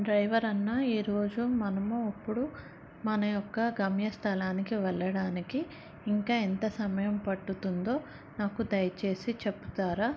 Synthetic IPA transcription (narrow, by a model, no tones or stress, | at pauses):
ɖɾɐjʋɐɾɐnːaːiːɾo̞ːd͡ʒumɐnɐmuɐpːuɽu | mɐnɐjɔkːɐɡɐmjɐst̪ʰɐlaːnikiʋɛlːɐɽaːnikiː | ŋkaːent̪ɐsɐmɐjɐmpɐʈːut̪und̪o̞ː | naːkud̪ɐjt͡ʃe̞ːsit͡ʃepːu̥t̪aːɾaː